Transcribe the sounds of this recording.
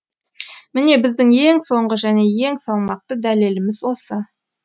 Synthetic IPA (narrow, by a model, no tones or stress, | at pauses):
mɪne̞bɪzd̪ɪŋje̞ŋso̞ɴʁəʒæne̞je̞ŋsɑlˠmɑq̚t̪əd̪æle̞lɪmɪzwo̞sə